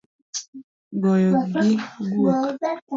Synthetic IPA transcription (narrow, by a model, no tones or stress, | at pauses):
ɡɔjɔɡiɡuk